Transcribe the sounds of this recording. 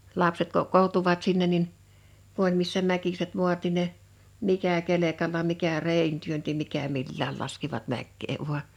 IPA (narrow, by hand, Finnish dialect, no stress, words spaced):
lɑpset kokːoːŭ̥tuʋɑt sinːen nin ku olʲ misːæ mækiset mu̞ɑt nin ne mikæ kelekɑlːɑ mikæ reˑin tyønti mikæ milːæːl lɑskiʋɑt mækːeː ʋuɑ